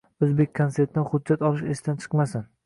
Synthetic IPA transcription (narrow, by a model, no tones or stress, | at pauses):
ozbek̚ʲkʰanset̪ːɪnχʊd̪d͡ʒːat̪ɒlˠɪʃesɪd̪ant͡ʃʰɨ̥qmasɪn